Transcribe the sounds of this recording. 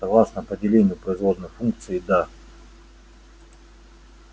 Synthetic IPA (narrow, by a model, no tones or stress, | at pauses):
sɐɡlˠasnəpədʲɪlʲenʲɪjʊpɾəɪzvo̞d̪nəjfunk̚t̪sɨɪd̪a